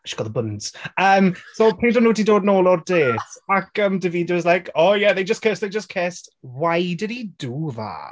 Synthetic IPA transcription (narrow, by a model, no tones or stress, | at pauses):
ʃiɡ̥ɔðəbʊnz̥əːmsopʰeːndənuːdidoːdnoːlˠɔrdeːtakəmdɪviːdəɪzlajkʰoːjɛðejd͡ʒəskʰesðejd͡ʒəskʰeːstwajdɪdiduða̰